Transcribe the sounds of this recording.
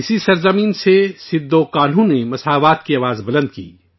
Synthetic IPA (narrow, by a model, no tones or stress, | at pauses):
ɪsisɐɾzɐmĩːnsesɪd̪ːoːkaːl̤ɦõnemɐsaːʋaːt̪kiɐːʋaːzbɐlə̃nd̪̚kḭː